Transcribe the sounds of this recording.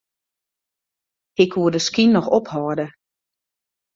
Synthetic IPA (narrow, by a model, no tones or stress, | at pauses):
ɪkʋuədəskinːɔxɔphɔːdə